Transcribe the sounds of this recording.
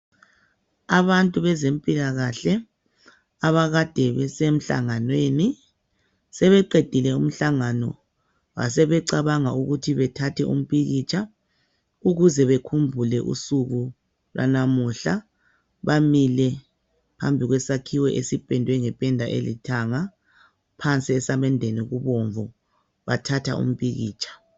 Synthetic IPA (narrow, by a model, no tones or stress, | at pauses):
aβantʼuβɛzempʼilaɣaɬɛ | aβaɣad̥ʱɛβɛsem̩ɬa̰ŋanweni | sɛβɛǃed̥ʱilɛum̩ɬaŋanɔ̰ | βa̰sɛβɛǀaβaŋauɣutʰiβɛtʰatʰɛʔṵm̩pʰʼiɣit͡ʃʼa | uɣuzɛβekʰumbʱulɛʔṵsuɣu | lwʔa̰namuɬa | βamilɛ | pʰambʱiɣwɛsakʰiwɛʔesipʼɛndʱwɛŋɛpʼɛndʱaʔḛlitʰaŋa | pʰant͡sʼiɛsamɛndʱeniɣuβoɱvɔ | βatʰatʰa̰ṵm̩pʼiɣḭːt͡ʃʰʼḁ